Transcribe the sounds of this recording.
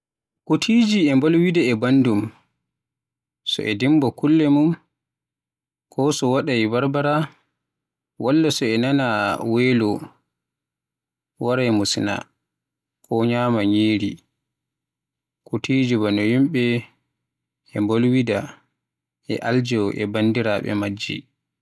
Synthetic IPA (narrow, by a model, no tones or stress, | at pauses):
kutʰid͡ʒiɛmbolwidaɛbandum | sɔ̰ʔɛdimbɔkulːɛmum | kʰɔsɔwaɗajbaɾbaɾa | walːasɔɛnanaweːlɔ | waɾajmusina̰ | kʰɔɲaːmaɲiːɾi | kutid͡ʒubanɔhimɓɛ | ɛmbolwida | ʔɛ̰ʔald͡ʒɔʔɛ̰bandiɾaɓɛ̰mad͡ʒːḭ